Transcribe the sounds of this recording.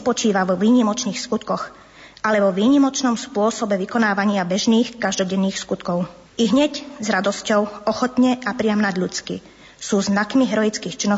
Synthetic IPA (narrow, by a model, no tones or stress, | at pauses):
pɔt͡ʃiːʋaʋɔʋiːɲimɔt͡ʃniːxskut̪kɔɣ | alɛʋɔʋiːɲimɔt͡ʃnɔmspʊɔsɔbɛʋikɔnaːʋaɲɪabɛʒniːxkaʒd̪ɔɟɛnːiːxskut̪kɔʊ | iɦɲɛczɾad̪ɔscɔʊɔxɔt̪ɲɛʔapɾɪamnaɟ̪ʎut͡skḭ | suːznakmiɦɛɾɔjit͡skiːxt͡ʃinːɔ